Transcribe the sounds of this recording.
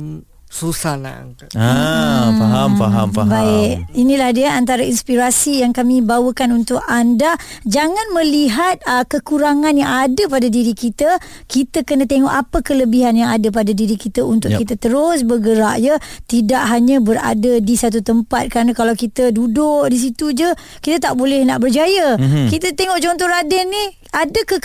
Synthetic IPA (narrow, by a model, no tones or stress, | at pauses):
susana̰ŋ | aɦaaɦabaɪʔinĩlahdiəʔant̪aɾainspiɾasijaŋkamĩbawəkanunt̪ʊʔandad͡ʒaŋanmə̃liɦat̪̚əkəkuɾaŋanjaŋadəpadadiɾikit̪ə | kit̪əkənət̪eŋɔʔapəkələbiɦanjaŋadap̬adadiɾikit̪əunt̪ʊʔkkit̪ət̪əɾʊsbəɡəɾaʔjət̪idaʔɦaɲãbəɾa̰dadisat̪̬ut̪əmpat̪̚kəɾanãkalawkit̪ədudʊʔdis̬it̪ud͡ʒə | kit̪ət̪aʔbolɛhnaʔbərd͡ʒajəkit̪ət̪eŋɔʔt͡ʃɔnt̪ɔɾadɛnːih | adəkə